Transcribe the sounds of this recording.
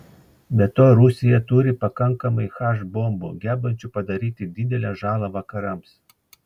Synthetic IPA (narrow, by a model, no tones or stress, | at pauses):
bʲɛt̪oːɾʊsʲɪjɛt̪uɾʲɪpɐkɐŋkɐmɐɪxɑːʃboːmbʊ̰ɡʲæːbɐnʲt͡ʃʲʊpɐd̪ɐɾʲiːt̪ʲɪd̪ʲɪd̪ʲɛlʲɛʒɑːlˠɐʋɐkɐɾɐms